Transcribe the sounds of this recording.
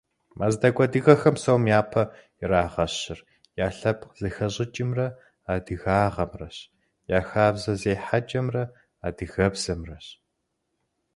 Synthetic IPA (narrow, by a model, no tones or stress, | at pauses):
maːzdɐkʷʼɐdɨɣɐxɐmsɐwmjaːpʰɐjɪɾaːʁɐɕɪr | jaːɬɐpz̥ɨxɐɕʼɪt͡ʃʼɪmrɐ | aːdɨɣaːʁɐmrɐɕ | jaːxaːbzɐzeːħat͡ʃʼɐmrɐ | aːdɨɣɐbz̥ɐmrɐɕ